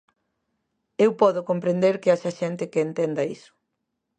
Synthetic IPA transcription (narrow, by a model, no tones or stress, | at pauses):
ewpɔðʊkompɾend̪eɾkɪaʃɐʃɛnt̪ɪkɪːnt̪ɛnd̪ɐisʊ̥